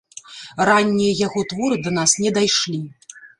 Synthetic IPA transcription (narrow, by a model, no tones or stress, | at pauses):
ranʲːijɐjaɣɔt̪vɔɾɨd̪ɐn̪asnʲɛd̪ajʂlʲi